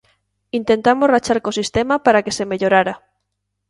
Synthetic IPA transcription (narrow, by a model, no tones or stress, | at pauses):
int̪ent̪amosrat͡ʃaɾkosist̪emapaɾakesemeʎoɾaɾa